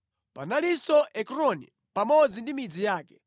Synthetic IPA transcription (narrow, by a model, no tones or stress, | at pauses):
pa̰nalisɔʔɛkɾɔnḭ | pamɔd͡zindimid͡zijaːkɛ̥